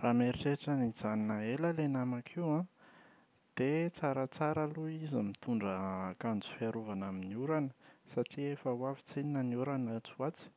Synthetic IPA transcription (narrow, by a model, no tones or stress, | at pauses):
rameɾiʈ͡ʂeʈ͡ʂənizaninəeləlenamakʰiwã | d̪̥et͡saɾət͡saɾəluizimit̪uɳɖ͡ʐəkand͡zu̥fiaɾuvanaminiuɾanə̥saʈ͡ʂiefəwavi̥t͡seninəniuɾanat͡suat͡si̥